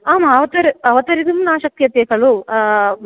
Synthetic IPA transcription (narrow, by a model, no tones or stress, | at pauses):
aːmɐɐʋɐt̪ɐɾiɐʋɐt̪ɐɾid̪imunaːʃɐk̚t̪ijɐt̪eːkɐɭu